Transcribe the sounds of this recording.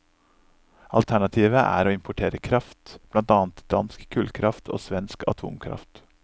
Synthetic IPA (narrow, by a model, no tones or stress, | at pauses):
ɑ̰lt̪ʰæɳɑt̪ʰiːʋəʔæ̰ːɾoːɪmpʰʊʈʰeːɾəkʰɾɑft̪b̥lɑnt̪ɑːnt̪d̪̥ɑnskkʰʉːlkʰɾɑft̪ʰo̰ːsʋɛnskɑ̰t̪ʰṵːmkʰɾɑ̰ft̪